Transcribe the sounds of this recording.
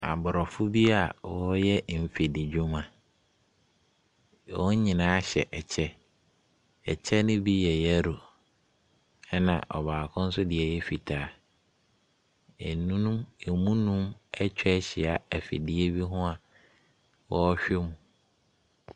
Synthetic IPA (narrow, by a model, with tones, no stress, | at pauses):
a̰˨bʊ˨ɾɔ˨fʊ˦bi˦a˨wɔ˦jɛ˦m̩˨fe˨dɪ˨d͡ʑᶣũ˦ma˨ | wɔ˦ɲĩ˨nãː˨˦ɕɛ̰˨ʔɛ˨t͡ɕʰɛ˦ | ɛ˨t͡ɕʰɛ˦nʊ̃˦bi˦jɛ˨jɛ˦ɾo˨ | ɛ˦nã̰˨ʔɔ˨baː˨kʰʊ̃˦n̩˦sʊ˦dɪ˨ɛ˨jɛ˦fi˨tʰaː˨˦ | e˨nũ˦nũ˦me˨mũ˦nũ˦mɛ˦t͡ɕᶣɛ˦ɕɪ˨a˨æ˨fɪ̰˨di˨˦e˦bi˦ɦʊ̃˦a˨ | wɔ˦ɔ˦ɕᶣɛ˦mũ˨